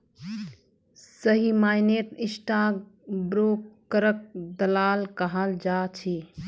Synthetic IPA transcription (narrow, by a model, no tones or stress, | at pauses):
səɦimajneʈɪsʈaɡbɾokːəɾək̚d̪əlaːlkəɦəld͡ʒat͡ʃʰi